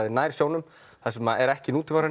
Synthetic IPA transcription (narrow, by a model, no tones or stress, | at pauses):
ðɪnaːjɾ̥sjoːwnʏm | θɛsʏmaɛɾɛhcɪnuːt̪ʰɪvaɾan